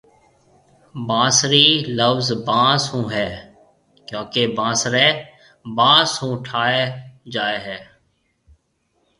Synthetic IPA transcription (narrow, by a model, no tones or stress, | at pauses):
bãːsɾiːləbzbãːsɦũːɦɛː | kjõːkebãːsɾɛː | bãːsɦũːʈʰaːed͡ʒaːeːɦɛː